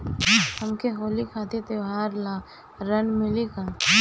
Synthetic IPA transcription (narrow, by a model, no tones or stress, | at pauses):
hɐmkeɦoːlikʰaːt̪ʰet̪eʋaːɾlaː | ɾənmɪlikʰa